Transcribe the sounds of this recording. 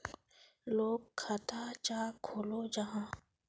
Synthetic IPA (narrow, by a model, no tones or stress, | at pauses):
loːɡkʰːat̪ʰat͡ʃaːkʰoːlod͡ʒɐɦãː